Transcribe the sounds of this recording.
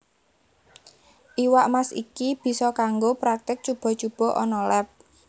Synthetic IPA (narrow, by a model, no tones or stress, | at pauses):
ʔiwaʔmasḭkib̥i̤sɔkaŋɡopɾak̚t̪ɪk̚t͡ʃub̥ɔ̤t͡ʃub̥ɔ̤ʔɔnɔlɛp̚